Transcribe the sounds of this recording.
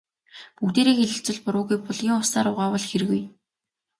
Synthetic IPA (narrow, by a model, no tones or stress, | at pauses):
pukt̪eːɾeːxeɮɘ̆ɬt͡sɘ̆ɮpʊɾʊːɣujpɔɮɣiːŋʊsaːɾʊːʁaːwɔɮxer̆ɣuj